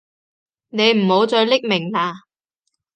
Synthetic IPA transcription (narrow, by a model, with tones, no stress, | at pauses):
ne˨˧jm̩˨˩ho˨˧˥wt͡sɔː˧ɥlɪ˥k̚mɪ˨˩ŋnaː˨˧